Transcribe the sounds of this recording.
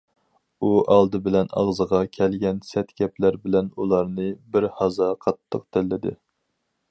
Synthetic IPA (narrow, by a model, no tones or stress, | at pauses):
uʔɑlˠd̪ɨbɪlɛnɑ̰ʁzəʁɑkʲʰɛlɡʲɛnsɛt̪kʲɛplæɾbɪlɛnulˠɑɾnɨbɪɾhɑzɑqʰɑt̪ʰːəq̚t̪ʰɛlːɪd̪ɪ̰